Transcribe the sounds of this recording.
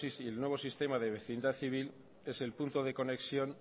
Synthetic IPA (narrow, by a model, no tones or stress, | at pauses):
isielnwe̞β̞o̞sist̪e̞maðeβ̞e̞θind̪aθiβ̞il | e̞se̞lpunt̪o̞ðe̞ko̞ne̞ksjo̞n